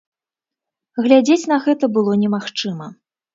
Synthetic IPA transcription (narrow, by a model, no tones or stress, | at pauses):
ɣlʲad͡zʲet͡sʲnɐɣɛt̪ɐbɨlˠɔnʲɛmaxt͡ʂɨmɐ